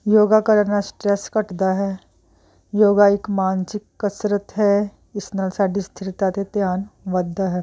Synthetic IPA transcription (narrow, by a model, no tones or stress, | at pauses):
joːɡakəɾəɾnasʈɾɛskɐʈd̪aɦɛː | joːɡaɪkmaːnsɪkːɐsɾət̪ɦɛ | ɪsnalsaːɖist̪ʰɪɾt̪at̪et̪jaːnʋɐd̪ʱːaɦɛː